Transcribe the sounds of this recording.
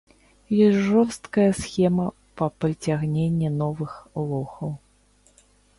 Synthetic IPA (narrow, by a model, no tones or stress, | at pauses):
jɔsʲʐɔrst̪kɐjɐsxʲɛmɐ | pɐpɾɨt͡sʲaɣnʲenʲːɛnɔvɨxlˠɔxɐw